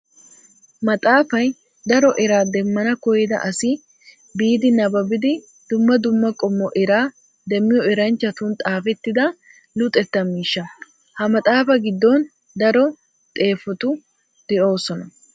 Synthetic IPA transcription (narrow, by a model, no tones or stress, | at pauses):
mɐt̪ʼaːfɐj | d̪ɐɾɔʔɛɾaːd̪ɛmːɐnɐkɔjɪd̪ɐ̰ʔɐsɪ | biːd̪ɪnɐbɐbɪd̪ɪ | d̪̥ʊmːɐd̪ʊmːɐkʼɔmːɔʔɛɾaː | d̪ɛmːɪjɔɛɾɐnt͡ʃːɐt̪ʊnt̪ʼaːfɛt̪ːɪd̪ɐ | lʊt̪ʼːɛt̪ːɐmiːʃːɐ | hɐmɐt̪ʼaːfɐɡɪd̪ːɔn | d̪ɐɾɔ | t̪ʼe̞ːfɔt̪ʊ | d̪̥ɛʔo̞ːsɔnɐ